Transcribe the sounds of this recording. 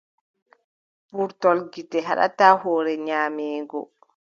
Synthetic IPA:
puɾtɔlɡitːɛɦa̰ɗa̰tahɔːɾɛɲaːmɛːɡɔ̰

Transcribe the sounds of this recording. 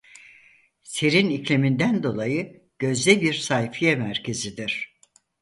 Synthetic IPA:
seɾiniclʲemind̪ænd̪o̞lˠajɯ | ɟ̥ø̞zd̪ɛbiɾsajfijɛmæɾcʰe̞zid̪iɾ̥

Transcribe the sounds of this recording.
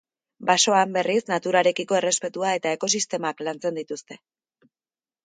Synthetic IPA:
baso̞ambe̞risnat̪uɾaɾe̞kiko̞e̞re̞spe̞t̪uae̞t̪ae̞ko̞sist̪e̞maklant͡se̞nd̪it̪ust̪e̞̥

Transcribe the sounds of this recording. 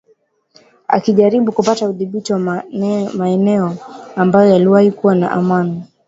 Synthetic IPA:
a̰kiʄaɾiɓukupatauðiɓitiwa | maɛnɛɔambajɔjaliwahikuwana̰ʔamani

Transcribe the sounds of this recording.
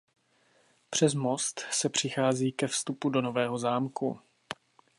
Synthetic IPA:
pr̝̥ɛzmo̞st̪sɛpr̝̥ɪxaːziːkɛfst̪upudo̞no̞vɛːɦo̞zaːmkṵ

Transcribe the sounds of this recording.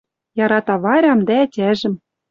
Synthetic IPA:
jɑɾɑt̪ɑβɑɾʲɑmd̪æːtʲæʒɘ̆m

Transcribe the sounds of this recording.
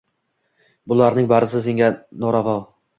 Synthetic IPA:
bʊlˠaɾnɪŋbaɾɪs̬ɪzɪŋʲanɒɾavɒl

